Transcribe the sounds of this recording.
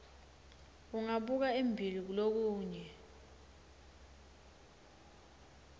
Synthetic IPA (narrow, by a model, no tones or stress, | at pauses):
uŋaɓuk̬aembʱilik̬ulok̬uːɲɛ